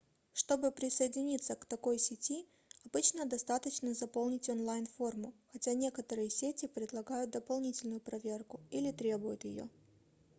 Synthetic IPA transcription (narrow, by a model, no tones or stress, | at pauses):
ʂt̪o̞bɨpɾʲɪsəjɪdʲɪnʲit̪sːəkt̪ɐko̞jsʲɪtʲi | ɐbɨt͡ɕnəd̪ɐst̪at̪ət͡ɕnəzɐpo̞lˠnʲɪtʲonlˠajnfo̞rmʊxɐtʲanʲe̞kət̪əɾɨjəsʲetʲɪpɾʲɪd̪lˠɐɡajʊt̪̚d̪əpɐlˠnʲitʲɪlʲnʊjʊpɾɐvʲe̞rkʊilʲɪt̪ɾʲe̞bʊjʊt̪jɪ̰jo̞̰